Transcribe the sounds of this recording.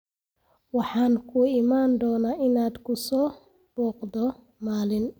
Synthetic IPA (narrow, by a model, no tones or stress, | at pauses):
wɑħɑːŋkʰʊɪmaːnd̪ɔːnaːʔɪnaːd̪kʰʊsɔː | b̥ɔːqd̪ɔ | maːlɪn